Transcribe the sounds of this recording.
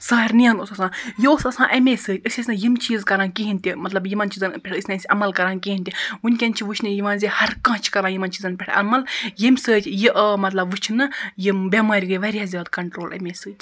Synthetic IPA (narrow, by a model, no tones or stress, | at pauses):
saːɾʲnijãːnosɐsãːjiosɐsãːʔɐmeːsɨːtʲɨsʲisʲnɨjimt͡ʃiːzkɐɾãːnkiɦinʲt̪imɐt̪lɐbjimɐnt͡ʃizɐnpʲeʈʰɨsʲnɐsʲʔɐmɐlkɐɾãːnkiːinʲt̪ʲiunʲkʲɐnʲt͡ʃʰiʋut͡ʃʰnɨjiʋãːnzʲihɐɾkãːt͡ʃʰkɐɾãːjimɐnt͡ʃizɐnpʲɛʈʰʔɐ̰mɐljimʲsɨːt̪ʲjiʔmɐt̪lɐbʋɨt͡ʃʰnɨjimbʲɐmaːɾʲɡɨʋɐɾʲijaːzʲaːd̪kɐɳʈɾoːlʔɐ̰mʲeːsɨːt̪ʲ